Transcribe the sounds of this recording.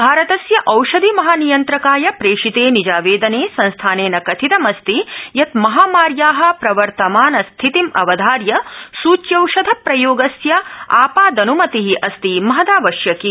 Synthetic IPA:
bʱaːɾɐt̪ɐsjɐʔɐwʂɐd̪ʱimɐɦaːnijɐnt̪ɾɐkaːjɐpɾeːʂit̪eːnid͡ʒaːʋeːd̪ɐneːsɐ̃nst̪ʰaːneːnɐkɐt̪ʰit̪ɐmɐst̪ijɐt̪mɐɦaːmaːɾjaːɦɐ̆pɾɐʋɐɾt̪ɐmaːnɐst̪ʰit̪imɐ̰ʋɐd̪ʱaːɾjɐsuːt͡ʃjɐwʂɐd̪ʱɐpɾɐjoːɡɐsjɐaːpaːd̪ɐnumɐt̪iɦiʔɐst̪imɐɦɐd̪aːʋɐʃjɐki

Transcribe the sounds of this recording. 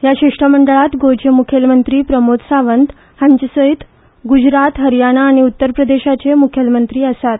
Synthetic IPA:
jaɕeʂʈəməɳɖəɭat̪ɡod͡ʑəmukʰjəlmənt̪ɾiːpɾəmot̪saʋənd̪ | hãɲt͡ɕəsəit̪ | ɡud͡ʑɾat̪ɦəɾjanaːɽ̃iut̪ːəɾpɾəd̪eɕat͡semukʰjəlmənt̪ɾiːəsat̪̚

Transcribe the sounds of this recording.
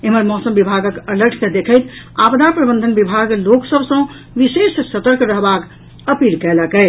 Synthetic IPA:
eɦməɾmɔsəmbibʱaɡəkələɾʈʰked̪ekʰət̪ | abd̪apɾəbə̃nd̪ʱənbibʱaɡloksəbʱsə̃ | ʋisessət̪əɾkɾəɦbak | əpilkɛləkɛɪ

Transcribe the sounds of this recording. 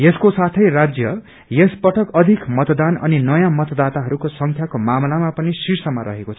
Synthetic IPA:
jeskosat̪ʰʌjrad͡zjʌ | jespʌʈʰʌkʌd̪ʱikmʌt̪d̪anʌ̰ninʌjãmʌt̪d̪at̪aɦʌɾukosʌŋkʰjakomamlamapʌnisiɾsʌmaɾʌ̰ɦekot͡sʰʌ

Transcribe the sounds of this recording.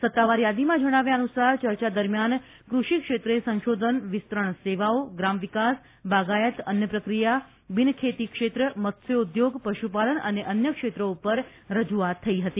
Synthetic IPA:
sət̪ːaʋaɾjad̪imãd͡ʒəɽ̃aʋjaənusaɾt͡ʃəɾt͡ʃad̪əɾmjan | kɾuʃikʃet̪ɾəesə̃nʃod̪ʱənʋɪst̪ɾəɳseʋaoɡɾamʋikas | baɡajət̪ənjəpɾəkɾija | bɪnkʰet̪ikʃet̪ɾəmət̪seud̪joɡpəʃupalənəneʔənjəkʃet̪ɾəupəɾ | ɾəd͡ʒuat̪ʰːəiɦət̪i

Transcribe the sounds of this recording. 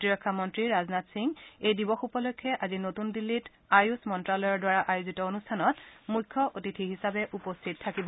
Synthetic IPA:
otiɹɔkʰːamɔntɹiɹaznatsiŋejdibɔxupɔlojkʰːɛʔazinotundilːit | ajusmɔntɹalɔjɔdwaɹaʔajuzitɔonustʰanɔtmujkʰːɔʔotitʰiɦisabɛʔupostʰittʰːakibɔ

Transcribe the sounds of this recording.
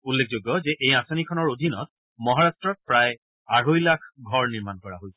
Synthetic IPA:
ulːek̚ʰzoɡjɔzɛʔejasanikʰɔnɔɹodʱinɔ̰t̚ | mɔɦaɹastɹɔt̚pɹaj | aɹojlakʰɡʱɔɹniɹmankɔɹa̰ɦojsɛ̥

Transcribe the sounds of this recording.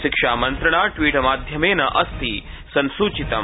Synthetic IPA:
ʃɪkʂaːmɐnt̪ɾɐɳ̃aːʈʋiːʈɐmaːd̪ʱjɐmeːnɐʔɐst̪ʰi | sɐnsuːt͡ʃit̪ɐ

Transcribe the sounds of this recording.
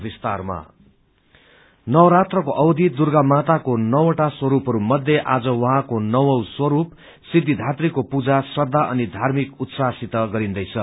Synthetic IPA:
bist̪arma̰ | nʌwɾat̪rʌkoʔʌwd̪ʱid̪urɡamat̪akonʌwoʈaswʌɾupɦʌɾumʌd̪ʱjeʔad͡zʌwʌɦãkonʌwʌwswʌɾup | sid̪ʱːid̪ʱat̪rikopud͡zasrʌd̪ʱːaʔʌnid̪ʱarmikut̪sasit̪ʌɡʌɾind̪ʌjt͡sʰʌ

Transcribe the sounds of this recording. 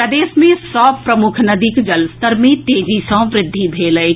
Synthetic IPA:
əd̪eːsmẽsɔːpɾɐmʊkʰnɐd̪iːkd͡ʒɐlst̪əɾmẽt̪eːd͡ʒisɔ̃ʋɾɪd̪ʱːibʱeːləe

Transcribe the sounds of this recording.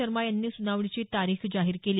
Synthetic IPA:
əɾmajanːiːsunaʋɭit͡ɕiːt̪aɾiːxd͡zaɦiːɾkeliː

